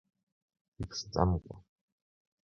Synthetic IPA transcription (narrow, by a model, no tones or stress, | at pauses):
ikʰst͡sʼa̰mkʷʼɔ